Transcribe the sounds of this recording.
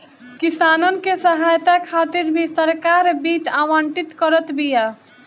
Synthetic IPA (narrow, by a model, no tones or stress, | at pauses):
kisaːnən̆kesəɦaːjt̪akʰaːt̪iɾbʱisəɾkaːɾbiːt̪aːʋãːɳʈit̪kəɾət̪bʱija